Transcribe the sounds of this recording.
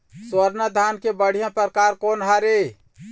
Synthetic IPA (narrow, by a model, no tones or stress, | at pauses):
swəɾnəd̪ʱankebəɽ̤ijãpəɾəkaɾkonɦaɾe